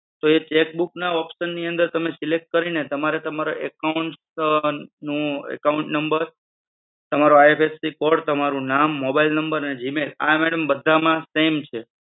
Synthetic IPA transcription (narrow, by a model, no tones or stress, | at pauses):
t̪oet͡ʃek̚buknaɔpsənːiə̃nd̪əɾt̪əmesilek̚ʈ̚kəɾinet̪əmaɾet̪əmaɾoʔekauɳʈs | nũɛ̰kauɳʈnəmbəɾ | t̪əmaɾoajepʰesːikɔɖt̪əmaɾũnamːobailnəmbəɾəned͡ʒimela̰mɛɽəmbəd̪ʱːamãsemt͡ʃʰe